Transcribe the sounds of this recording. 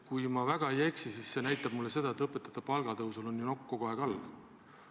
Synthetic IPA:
kujmɑvæɡ̥ɑejeksisisːe̞næjt̪ːˑɑb̥̚mulːe̞se̞d̪ɑet̪ɤpːˑe̞t̪ːˑɑ̥t̪ːɑpɑlɡ̥ɑt̪ɤwsulonːjuno̞kːoko̞e̞ɡ̥ɑlː

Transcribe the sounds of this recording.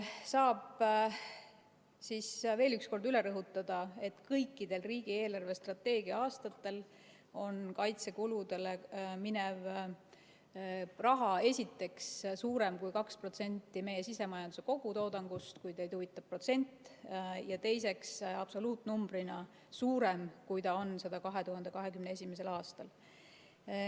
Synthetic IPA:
sɑːb̥ | sisve̞ːlyksko̞rd̪yle̞ɾɤɦut̪ːˑɑd̪̥ɑe̞t̪kɤjkˑːid̪̥e̞lriːɡ̥ie̞ːlɑrvest̪rɑt̪ːe̞ːɡiɑɑːst̪ɑt̪ːe̞l | o̞nkɑjt̪se̞kulud̪e̞leminev | rɑɦɑe̞sʲit̪ːe̞kssuːɾe̞mkujkɑkspro̞t̪se̞nʲt̪ːˑime̞je̞sise̞mɑjɑnd̪use̞ko̞ɡ̥ut̪o̞ːd̪ɑŋɡ̥ust̪kujt̪ejt̪uvit̪ːˑɑ̥pːro̞t̪se̞nʲt̪ːˑjɑt̪e̞jse̞ksɑb̥so̞luːt̪numb̥ɾinɑ | suːɾe̞mkujt̪ɑo̞nsɑd̪ɑkɑɦe̞t̪uɦɑnd̪e̞kɑɦe̞kymneesʲimes̬e̞lɑːst̪ɑl

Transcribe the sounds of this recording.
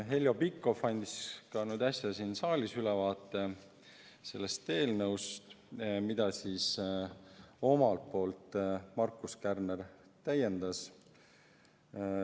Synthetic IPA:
ɦe̞lʲjo̞bikːˑo̞fpɑnʲd̪̥iskɑnyːd̪ɑsʲjɑsinsɑːlʲisylɛvɑːt̪ːˑe̞ | se̞̰lːest̪e̞ːlnɤwst̪ | mid̪̥ɑsis | o̞mɑlt̪̚po̞ːlt̪ˑmɑrkːˑuskærnert̪æjːe̞nd̪̥ɑs

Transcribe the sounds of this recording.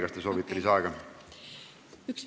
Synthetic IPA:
ɡɑst̪eso̞ːvit̪ˑːɑlisɑeɡɑ | yks

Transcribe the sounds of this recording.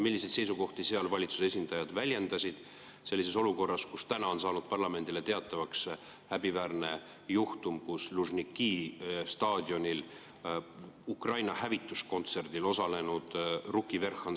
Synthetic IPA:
milːised̪se̞jsuko̞ht̪iseɑlvɑlʲit̪su̥se̞sʲind̪̥ɑjɑd̪̥vælʲje̞nd̪̥ɑsʲid̪̥ | se̞lːis̬e̞so̞luko̞rːɑskust̪ænɑo̞nsɑːnud̪̥̚pɑrlɑme̞nd̪̥ile̞t̪e̞ɑt̪ːˑɑvɑks | hæbivæːrne̞ | juht̪umkusluʒnikːiːst̪ɑːd̪̥ʲjo̞nʲil | ukrɑjnɑhævit̪ːˑusko̞nt̪se̞rd̪̥ilo̞sɑle̞nud̪̥rukːˑive̞rxɑn

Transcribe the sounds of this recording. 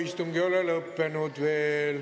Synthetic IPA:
ist̪uŋɡ̥iolelɤpːenud̪̥ʋeːl

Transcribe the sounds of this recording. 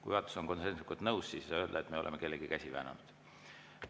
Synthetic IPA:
kujvɑt̪ːˑu̥soŋko̞nsenslikːult̪nɤwssiːssɑø̞ːld̪ɑet̪ːme̞o̞lḛmeke̞lːeɡikæsʲivæ̰ːnɑ̰nud̪̥

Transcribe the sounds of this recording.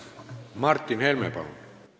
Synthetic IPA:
mɑrt̪ːinhelmḛːpɑ̰non

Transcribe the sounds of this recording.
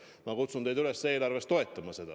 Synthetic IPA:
mɑkut̪sund̪e̞jd̪ylesːe̞ːlɑrve̞st̪o̞e̞t̪ːˑɑmɑse̞d̪̥ɑ̰

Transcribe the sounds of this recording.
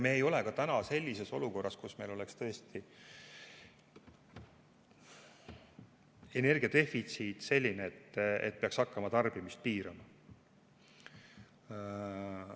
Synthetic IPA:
me̞ːjo̞lekɑt̪ænɑse̞lʲːise̞so̞luko̞rːɑskusme̞jlo̞lekst̪ɤ̞est̪i | e̞ne̞rɡ̥iɑt̪e̞fit̪siːt̪se̞lʲːineet̪ːḛt̪̚ːpeɑksɑkːɑmɑt̪ɑrb̥imist̪̚piːɾɑmɑ

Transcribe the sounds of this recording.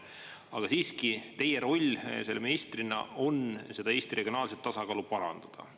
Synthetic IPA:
ɑɡ̥ɑsiːskit̪e̞jeɾo̞lʲːse̞lːeminist̪rinɑ̰o̞nse̞d̪̥ɑe̞ːst̪irʔe̞ɡ̥ʲijo̞nɑːlset̪ːɑsɑkɑːlupɑɾɑ̰nd̪̥ɑd̪̥ɑ̰

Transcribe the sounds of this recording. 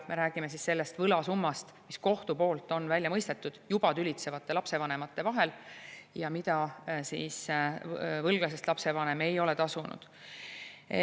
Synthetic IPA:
me̞ɾæːɡ̥imes̬isse̞lːe̞st̪vɤlɑsumːɑst̪misko̞ht̪upo̞ːlt̪ːˑo̞nvælʲjɑmɤjst̪e̞t̪ːˑud̪̥jub̥ɑt̪ylʲit̪se̞vɑt̪ːe̞lɑpse̞vɑne̞mɑt̪ːe̞vɑɦe̞ljɑmit̪ɑsḭːs | vɤlɡ̥lɑs̬est̪lɑpse̞vɑne̞me̞jo̞let̪ɑsunṵd̪̥

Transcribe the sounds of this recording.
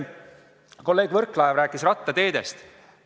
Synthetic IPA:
ko̞lːe̞ːɡ̥vɤrkːˑlɑevɾæːkːˑisrɑt̪ːˑɑt̪e̞ːd̪̥e̞st̪

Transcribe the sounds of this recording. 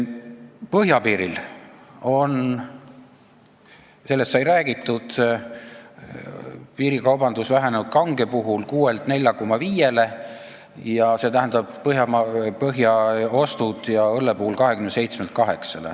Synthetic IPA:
pɤɦjɑpiːɾil | o̞n | se̞lːest̪sɑjɾæːɡ̥it̪ːˑud̪̥ | piːɾikɑwbɑnd̪usvæɦe̞nenud̪̥̚kɑŋɡepuɦulkuːelt̪ne̞lʲjɑko̞mːɑviːje̞le̞ | jɑse̞ːt̪æɦænd̪ɑb̥pɤɦjɑmɑpɤɦjɑo̞st̪ud̪̥jɑɤlːepuhulkɑɦe̞kymnesejt̪smelt̪kɑɦe̞ksɑle̞̰

